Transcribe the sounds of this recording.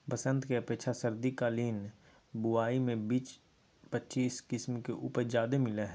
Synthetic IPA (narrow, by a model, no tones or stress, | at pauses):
pəsə̃nt̪keɐpeːkʃʰasəɾd̪ikaːliːn | buaːimẽbiːt͡ʃ | pətːʃiːskɪsmkeʔuːpəɾd͡ʒaːd̪emɪlaɦɛ